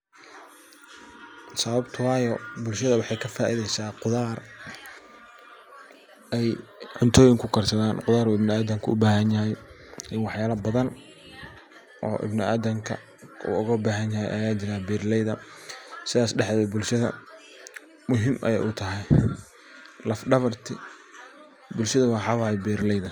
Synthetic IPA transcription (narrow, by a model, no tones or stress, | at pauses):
sɐβɐbt̪ʰʊwɑːjɔbʊlʃɐðɐwɑħɑjkʰɐfaːʔɪðɛjsaːqʊðaːr | ɛjʕʊnt̪ʰɔːjɪŋkʰʊkʰɐrsɐðaːnqʊðaːɾʊuːɪbnɪaːðɐmkʰʊʊbaːɦɐnjɐɦɛj | ʔɪnwɑħjaːlɐbɐðɐn | ʔɔ̰ːʔɪ̰bnɪaːd̪ɐmkʰɐ̰ | ṵːʊɣɐbaːɦɐnjɐɦɛ̰jʔɐ̰jaːt͡ʃɪɾaːbiːrlɛjðɐsɪðaːsɖɛħɛbʊlʃɐðɐ̰ | mʊɦɪmʔɐ̰jɛ̰jʔʊt̪ʰɐɦɛj | lɐfɖɐβɐrt̪ʰɪ̰ | bʊlʃɐðɐwħɑːwɑːjɛjbiːrlɛjðɐ